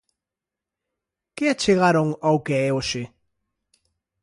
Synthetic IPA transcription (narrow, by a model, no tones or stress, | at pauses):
kɪat͡ʃeɣ̞aɾoŋawkeɛoʃe